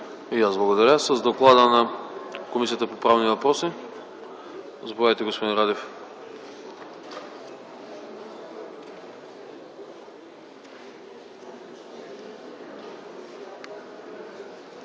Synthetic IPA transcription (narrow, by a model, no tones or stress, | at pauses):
ijazblˠaɡod̪aɾʲasəzd̪oklˠad̪ənakomisijat̪əpopɾavnivɐpɾɔsi | zbvajt̪ɛɡospod̪inɾad̪ɛf